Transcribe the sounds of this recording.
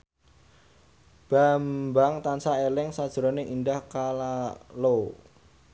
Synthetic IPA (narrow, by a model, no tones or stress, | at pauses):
b̥a̤mbaŋt̪ansaelɪŋsad̥ʒ̥ɾɔneʔindahkalalo